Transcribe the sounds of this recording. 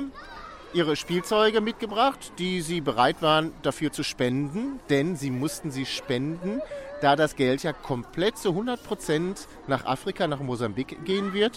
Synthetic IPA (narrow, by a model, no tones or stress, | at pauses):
ʔiːʁ̞əʃpiːlt͡sɔʏɡəmɪt̚ɡ̥əbʁaχtd̥iːziːbəʁaɪtv̥aːʁənd̥afyːɐt͡suʃpɛndn̩d̥ɛnziːmʊstn̩ziːʃpɛndn̩d̥aːdasɡ̥ɛltjaːkʰɔmpl̥ɛt̚t͡suɦʊndɐt̚pʁ̥ot͡sɛnt | naːχʔa̰ːfʁ̥ikanaːχmozambikɡ̥eːənvɪɐt